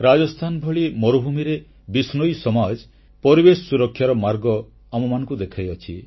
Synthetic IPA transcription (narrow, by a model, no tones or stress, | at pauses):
ɾad͡ʒɔst̪ʰanbʱɔɭimɔɾubʱumiɾe | bisnɔjsɔmad͡ʒ | pɔɾibessuɾɔkʰːjaɾɔmaɾɡɔ | amɔmanɔ̃ŋkud̪ekʰajɔt͡ʃʰḭ